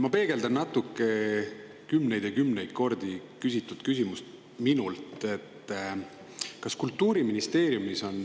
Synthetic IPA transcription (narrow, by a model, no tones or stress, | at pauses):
mɑpe̞ːɡ̥e̞ld̪ɑnnɑt̪ːˑukːˑe̞ | kymne̞jd̪̥jɑkymne̞jd̪̥̚ko̞rd̪̥ikysʲit̪ːˑut̪kys̬ʲimust̪ | minult̪e̞t̪ːˑ | kɑskult̪ˑːuːɾiminist̪e̞ːɾjumiso̞n